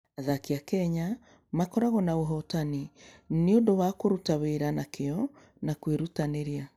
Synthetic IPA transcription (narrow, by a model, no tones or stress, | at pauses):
aðakiakɛɲa | makɔɾaɣɔnaoɦɔtanineondowakoɾutaweːɾanakeɔ | nakweɾutaneɾia